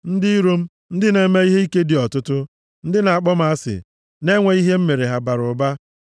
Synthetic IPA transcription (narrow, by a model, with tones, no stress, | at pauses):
n̩˦dɪ˦i˦ɾo˦m̩˦ | n̩˦dɪ˦ne˨˦me˦i˦ɦe˦i˦ke˦di˨ɔ˨tʊ˦tʊ˦ | n̩˦dɪ˦na˨a˨k͡pɔ˦m̩˦a˦sɪ̰˨ | ne˦ŋʷe˨i˦ɦe˦m̩˦me˨ɾe˨ɦa˨ba˨ɾʊ˨ba˦